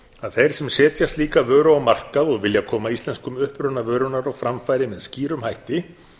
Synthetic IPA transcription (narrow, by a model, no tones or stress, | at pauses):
aðθejɾ̥sɛmsɛːt̪jast̪liːkavœːɾʏawmar̥kaðɔɣvɪljakʰɔːmaist̪lɛnskʏmʏhpɾʏnavœːɾʏnaɾɔwfɾamfajɾɪmɛðsciːɾʏmhajht̪ɪ